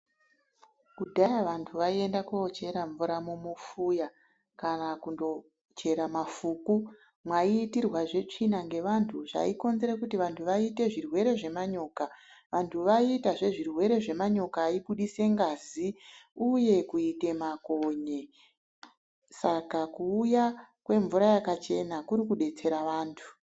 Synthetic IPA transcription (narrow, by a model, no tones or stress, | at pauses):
kudʱajaʋantʰuʋaie̞ndakot͡ʃe̞ɾaɱvuɾamumufuːja | kanakundo̞ | t͡ʃe̞ɾamafuːku | mwaiːtirwaʐe̞t͡ʂinaŋɡe̞ʋantʰuʐa̰iko̞nzeɾekutiʋantʰuʋaite̞ʐirwe̞ɾe̞ʐe̞maɲo̞ːkaʋantʰuʋaitaʐe̞ʐirwe̞ɾe̞ʐe̞maɲo̞kaːiɓuɗise̞ŋɡaːziuje̞kuite̞makoɲe | sakakuːja | kwe̞ɱvuɾajakat͡ʃe̞nakuɾikuɗe̞t͡se̞ɾaʋaːntʰu̥